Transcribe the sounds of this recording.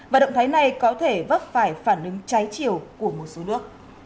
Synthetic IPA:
vaː˨˩ɗə̰˧˨wŋ͡mt̪ʰaː˨˦jna˨˩jkɔ˨˦t̪ʰe˧˩və˦˥p̚faː˧˩jfaː˧˩nʔɨ˨˦ŋt͡ɕa˨˦jt͡ɕi˧˨əwku˧˩əmo˨˩t̚so˨˦nɨ˦˥ək̚

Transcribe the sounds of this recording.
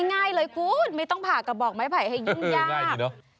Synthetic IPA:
ŋaː˧˩jləː˨˦jku˨˦mə˨˦jt̪ɔ˧wŋ͡mpʰaː˧˩ka˨˩ɓɔ˨˩k̚ma˨˦jpʰa˧˩jha˧jzŋzaː˧˨˦

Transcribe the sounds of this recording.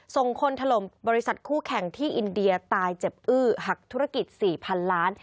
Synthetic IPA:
so˨˩ŋkʰo˧nt̪ʰa˧lo˨˩˦mbɔː˧ɾi˦˥sa˨˩t̪̚kʰuː˥˩kʰɛ˨˩˦ŋt̪ʰiː˥˩ʔi˧ndi˧ɐt̪aː˧jt͡ɕe˨˩p̚ʔɯː˥˩ɦa˨˩k̚t̪ʰu˦˥ɾa˥˧˩ki˨˩t̪̚siː˨˩pʰa˧nlaː˦˥n

